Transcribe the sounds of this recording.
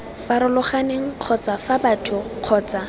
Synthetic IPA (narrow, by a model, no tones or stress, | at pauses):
faɾʊlʊχaneŋ̩q͡χʰɔt͡safabatʰʊq͡χʰɔːt͡sa